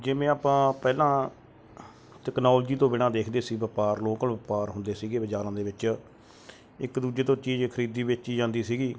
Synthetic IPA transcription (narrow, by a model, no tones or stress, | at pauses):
d͡ʒeːmẽːaːpãːpɛːlãː | ʈɛːknaːld͡ʒiːt̪õːbɪɽ̃ãːd̪eːkʰd̪eːsiːʋəpaːɾloːkənʋəpaːɾɦʊnd̪eːsiːɡeːʋəd͡ʒaːɾãːd̪eːʋɪt͡ʃ | ɪkd̪uːd͡ʒeːt̪õːt͡ʃiːd͡ʒkʰəɾiːd̪ːiːʋɪt͡ʃt͡ʃiːd͡ʒãːnd̪iːsiːɡiː